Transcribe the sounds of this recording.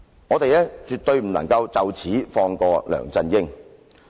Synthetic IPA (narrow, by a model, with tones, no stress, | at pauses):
ŋɔː˨˧t̪e˨jlɛː˥t͡ʃyː˨t̪ɵ˧ɥm̩˨˩nɐ̰˨˩ŋkɐ˧wt͡sɐ˨wt͡sʰiː˨˥fɔː˧ŋkɔː˧lœ̰ː˨˩ŋt͡sɐ˧njɪ˥ŋ